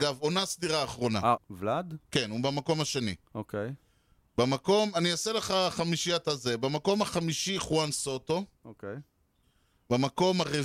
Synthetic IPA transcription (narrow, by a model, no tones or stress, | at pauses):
ɡavo̞nasdiʁaːχʁo̞na̰vlad̪ke̞nubemako̞mhaʃe̞nḭokej | bamako̞maniaseleχaχamiʃiat̪azebemako̞maχamiʃiχwanso̞to̞okej | bamako̞maʁe